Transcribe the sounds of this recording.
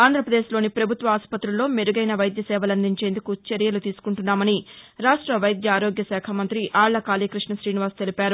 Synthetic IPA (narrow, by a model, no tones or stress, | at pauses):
aːnd̪ʱɾɐpɾɐd̪e̞ːʃlo̞ːnipɾɐbʱut̪ʋɐaːspɐt̪ɾulːo̞ːmeɾuɡɐjnɐʋɐjd̪jɐsɛːʋɐlɐnd̪iɲt͡ʃeːnd̪ukut͡ʃeɾjɐlut̪iːsu̥kuɳʈunːaːmɐniɾaːʂʈɾɐʋɐjd̪jɐaːɾo̞ːɡjɐsɛːkʰɐmɐnt̪ɾiʔaːɭːɐkaːliːkɾiʂɳɐʃɾiːniʋaːst̪e̞lipaːɾu